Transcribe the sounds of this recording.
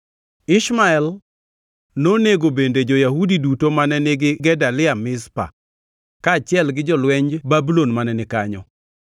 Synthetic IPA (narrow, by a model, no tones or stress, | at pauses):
ɪʃmaɛl | noneɡobended͡ʒojahudidutomanɛnɪɡɪɡɛdalɪamɪspa̰ | kat͡ʃɪɛlɡɪd͡ʒɔlwɛɲd͡ʒbabulonmanɛnɪka̰ɲɔ